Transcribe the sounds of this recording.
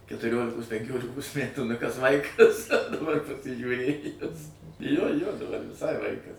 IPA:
kʲɛtʊˈrʲoːlʲɪkoːs pʲɛŋʲˈkʲoːlʲɪkoːs ˈmʲætuː nʊ kɐs ˈʋɐɪkɐs dɐˈbɐr pɐsʲɪʒʲuːˈrʲeːjʊs joː joː dɐˈbɐr ʋʲɪˈsɐɪ ˈʋɐɪkɐs

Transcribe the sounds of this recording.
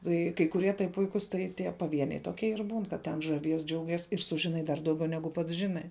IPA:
tɐɪ kɐɪ kʊˈrʲiɛ tɐɪ ˈpʊɪkʊs tɐɪ tʲiɛ pɐˈʋʲiɛnʲɛɪ toːˈkʲiɛ ɪr buːn kɐt tʲɛn ʒɐˈʋʲiɛs ˈd͡ʒʲɛʊˌɡʲiɛs ɪr ˈsʊʒʲɪˌnɐɪ dɐr dɐʊˈɡʲɛʊ ˈnʲæːɡʊ pɐts ˈʒʲɪnɐɪ

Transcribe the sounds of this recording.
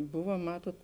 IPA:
ˈbʊʋɐ ˈmɑːtoːt

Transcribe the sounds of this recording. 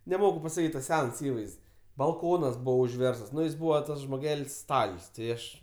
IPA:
nʲɛˈmoːkʊ pɐsɐˈkʲiːtʲ tɐs ˈsʲɛns ˈiːʋɐɪsʲtʲsʲ bɐlˠˈkoːnɐs ˈbuːʋoː ʊʒʲˈʋʲɛrstɐs ˈnʊ jɪs ˈbuːʋɐ ˈtɐs ʒmoːˈɡʲɛlʲsʲ ˈstɐlʲsʲ tʲɪ ˈɐʃ

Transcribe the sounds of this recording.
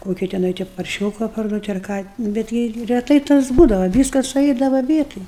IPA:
ˈkoːkʲɪ tʲɛˈnɐɪ tʲɛ pɐrʲˈʃʲoːkɐ pɐrˈduɔtʲ ɐr ˈkɑː bʲɛt ˈɡʲɪ rʲɛˈtɐɪ tɐs ˈbuːdɐʋɐ ˈʋʲiːskɐs sʊˈɛɪdɐʋɐ ˈʋʲiɛtoːj

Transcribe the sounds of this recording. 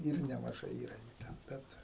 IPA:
ˈɪr nʲɛmɐˈʒɐɪ ˈiːrɐ juː ˈtʲɛn ˈbʲɛt

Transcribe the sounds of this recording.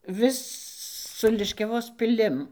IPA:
ˈʋʲɪs sʊ lʲɪʃʲkʲɛˈʋoːs pʲɪˈlʲɪm

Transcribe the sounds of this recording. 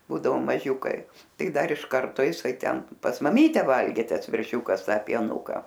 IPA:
ˈbuːdɐʋoː mɐˈʒʲuːkɐɪ ˈtɐɪ ˈdɐr ɪʃ ˈkɐrtoː ɪˈsɐɪ ˈtʲɛn pɐs mɐˈmʲiːtʲɛ ˈʋɐlʲɡʲeː ˈtɐs ʋʲɛrʲˈʃʲuːkɐs ˈtɐ pʲiɛˈnʊkɐ

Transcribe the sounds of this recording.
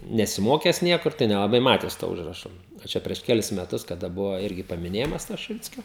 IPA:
nʲɛsʲɪˈmoːkʲæːs ˈnʲiɛkʊr tɐɪ nʲɛlˠɐˈbɐɪ ˈmɑːtʲæːs toː ˈʊʒrɐʃoː ɐ ˈt͡ʃʲɛ pʲrʲiɛʃ ˈkʲæːlʲɪs mʲɛˈtʊs kɐˈdɐ ˈbʊʋoː ˈɪrʲɡʲɪ pɐmʲɪˈnʲeːjɪmɐs toː ʃʲɪˈʋʲɪt͡sʲkʲoː

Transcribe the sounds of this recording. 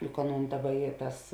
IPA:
jʊk ˈɑːˌnuːn ˈdɑːˌbɐ ˈiː ˈtɐs

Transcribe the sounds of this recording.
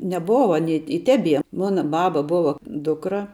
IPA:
nʲɛˈboːʋɐ ɐˈnʲiː ɪ ˈtʲæːbʲiɛ ˈmoːnɐ ˈbɑːbɐ ˈboːʋɐ ˈdʊkrɐ

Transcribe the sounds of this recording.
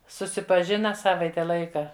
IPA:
sʊsʲɪpɐˈʒʲɪnɐ ˈsɑːʋɐɪtʲɛ ˈlˠɐɪkɐ

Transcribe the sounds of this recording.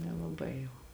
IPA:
nʲɛlˠɐˈbɐɪ jɛʊ

